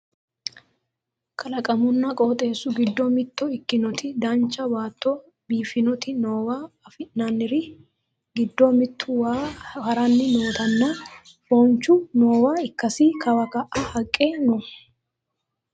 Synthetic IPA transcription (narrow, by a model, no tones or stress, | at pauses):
kʰɐlɐkʼɐmʊnːɐkʼoːt̪ʼe̞ːsːʊɡɪd̪ːɔmɪt̪ːɔɪkːɪnɔt̪ʰɪd̪ɐnt͡ʃːɐwaːt̪ʰːɔ | biːfɪnɔt̪ɪnoːwaːfɪnɐnːɪɾɪ | ɡɪd̪ːɔmɪt̪ʰːʊwaɐɾɐnːɪnoːt̪ɐnːɐ | fɔnt͡ʃːʊnoːwaːɪkːɐsikʰɐwɐkɐʔɐhɐkʼːeːnɔ